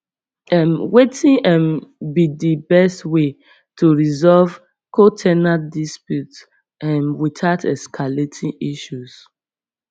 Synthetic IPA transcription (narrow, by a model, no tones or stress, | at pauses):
ɛmwetĩɛ̃nbidibɛstwe | tʰuɹizɔlv | kʰotʰɛnadispjut | ɛ̃nwiθatʰɛskʰaletʰĩiʃus